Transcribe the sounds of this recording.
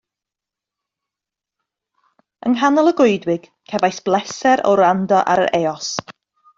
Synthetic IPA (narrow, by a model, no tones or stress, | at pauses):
ənɦanɔlˠəɡʊɨdwɪɡ̥ | kʰɛvajsb̥lˠɛsɛɾɔ̰ɾandɔʔa̰ɾə̰ɾʔeːɔs